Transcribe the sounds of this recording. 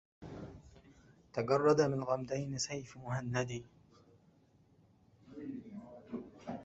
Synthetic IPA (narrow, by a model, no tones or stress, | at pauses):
t̪aɡɑrˤːɑd̪amɪnɣamd̪ajnɪsajfmʊhanːad̪i